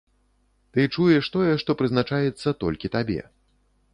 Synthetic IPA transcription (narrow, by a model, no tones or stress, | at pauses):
t̪ɨt͡ʂujɛʂt̪ɔjɛʂt̪ɔpɾɨznat͡ʂajɛt̪sːɐt̪ɔ̰lʲkʲit̪abʲɛ̰